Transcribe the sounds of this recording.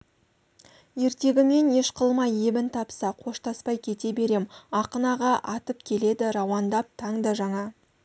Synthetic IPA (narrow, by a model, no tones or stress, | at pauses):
je̞ɾt̪e̞ɡʲɪme̞ne̞ʃqʰəlˠmɑjebɪnt̪ʰɑpsɑqʰo̞ʃt̪ɑspɑjkʲʰe̞t̪e̞be̞ɾe̞mɑqənɑʁɑʔɑt̪əpkʲʰe̞le̞d̪ɪɾɑwɑnd̪ɑp̚t̪ʰɑɴd̪ɑʒɑɴɑ